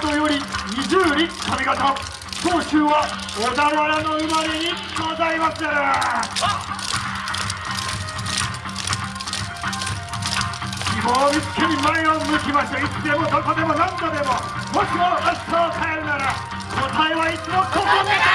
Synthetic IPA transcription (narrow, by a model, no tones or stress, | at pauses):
t̪ojoɾʲiɲʲid͡ʑɨːɾikʰamʲiɡat̪o | koːɕɨːβa | od̪aɡaɾano̞ɯmaɾe̞ɲi | od̪aimasaɾa | kʲimoːmʲit͡sɨ̥kʲʰeɲimaeomɯkʲimaɕit̪eit͡sɨd̪emod̪okod̪e̞mo̞nãŋkad̪e̞mo̞ | moɕimokaɕtaːkʰaeɾɯ̟naɾa | kot̪aeβait͡sɨmot̪ʰokoni